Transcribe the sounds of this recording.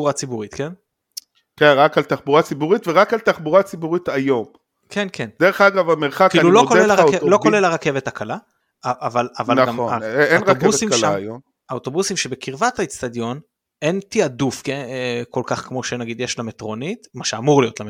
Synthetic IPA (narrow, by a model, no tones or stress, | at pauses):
uʁat͡sibuʁit̪ken | kenʁakalt̪aχbuʁat͡sibuʁit̪veʁakalt̪aχbuʁat͡sibuʁit̪ajo̞m | kʰenkend̥̪eʁeχaɡavameʁχakiːlulokoelaʁlo̞kolelaʁake̞vetakala | avalavalaɡamaenʁakeuvsimʃajom | aot̪o̞busimʃebekiʁvat̪ait͡st̪ad̪jo̞n | e̞nt̪iadufkeeko̞lkaχkmo̞ʃenaɡid̪jeʃlametʁo̞nit̪maʃeamuʁlijotlame